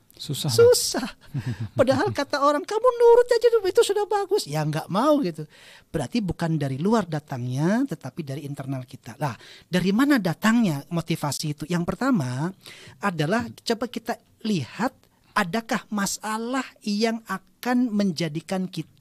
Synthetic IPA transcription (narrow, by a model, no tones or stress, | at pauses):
ususahpadaɦalkat̪aoɾaŋkamunuɾʊt̪̚ɲad͡ʒadupit̪usudahbaɡʊsjaŋɡaʔmauɡit̪u | b̥əɾart̪ibukandaɾiluardat̪aŋɲat̪ət̪apidaɾiːnt̪ərnalkit̪alahdaɾimanadat̪aŋɲamot̪ifasiːt̪ujaŋpərt̪ama | adalaht͡ʃobabkit̪a | lihat̪̚ | ʔadakahmasalahjaŋakanməɲd͡ʒadikankit̪a